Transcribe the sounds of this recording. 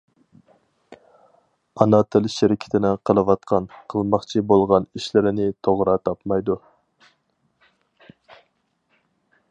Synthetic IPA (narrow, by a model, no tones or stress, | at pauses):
ɑnɑt̪ʰɪlʃɪɾɪkʲʰɪ̥t̪ʰɪnɪqʰəlˠɨwɑt̪̚qʰɑnqʰəlˠmɑχt͡ʃʰibolˠʁɑniʃlɪɾɪnɪt̪ʰoʁɾɑt̪ʰɑpmɑjd̪u